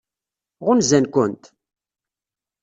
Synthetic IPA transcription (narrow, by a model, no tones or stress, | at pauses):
ʁʊnzænkʊnt̪